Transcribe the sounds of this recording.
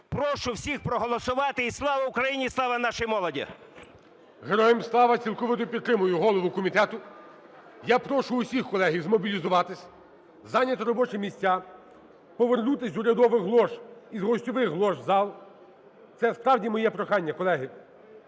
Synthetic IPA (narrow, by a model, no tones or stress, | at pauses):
pɾɔʃʊwsʲixpɾɔɦɔlˠɔsʊʋɑt̪ɪislˠɑʋɐʊkɾɐjinʲislˠɑʋɐnɑʃɪjmɔlˠɔdʲḭ | ɦeɾɔjemslˠɑʋɐt͡sʲilˠkɔʋɪt̪ɔpʲid̪̚t̪ːɾɪmʊjʊɦɔlˠɔʋʊkɔmʲit̪ɛt̪ʊ | japɾɔʃʊːsʲixkɔlˠɛɦijzmɔbʲilʲizʊʋɑt̪ɪsʲ | zɑnʲːɐt̪ɔɾɔbɔt͡ʃɪmʲisʲtʲːa | pɔʋernut̪ɪsʲʊɾʲɐd̪ɔʋɪxɦlˠɔʃizɦɔsʲtʲɔʋɪxɦlˠɔʒzɑlˠ | t̪sɛspɾɑwdʲimɔjɛpɾɔxɑnʲːɐkɔlˠɛɦɪ